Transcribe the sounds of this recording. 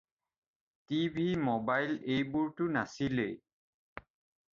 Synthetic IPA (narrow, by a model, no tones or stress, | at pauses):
tibʱimɔbajlejbuɹtʊnasilḛ